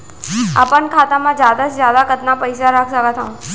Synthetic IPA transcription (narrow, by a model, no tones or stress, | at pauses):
apəɳkʰat̪amãd͡ʒjad̪ad͡ʒzjad̪akət̪napəjsaɾakʰsəkat̪ʰaũ